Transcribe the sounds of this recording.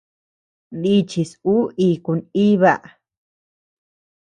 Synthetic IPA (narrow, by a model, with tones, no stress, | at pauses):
ni˦t͡ʃi˨su˦i˧ku˨˧ni˦βa˧˨ʔ